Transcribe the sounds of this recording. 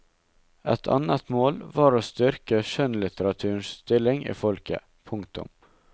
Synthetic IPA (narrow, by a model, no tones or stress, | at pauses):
ʔɛt̪ʰɑ̰nət̪moːlʋɑːɾoːst̪ʏɾkəʃœnlɪt̪əɾɑt̪ʰʉːɳsst̪ɪlɪŋʔḭːfɔlkə̰ | pʰʊŋk̚t̪ʊ̰m